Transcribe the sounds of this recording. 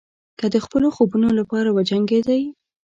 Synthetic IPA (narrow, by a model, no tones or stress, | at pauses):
kəd̪əxpəloxobunolapɑɾawad͡ʒaŋɡed̪aj